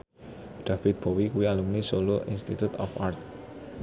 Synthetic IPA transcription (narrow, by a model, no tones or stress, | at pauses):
ɖ̥afɪt̪̚b̥owikuwialumnisoloʔḭnst̪it̪ut̪ɔ̰fart̪̚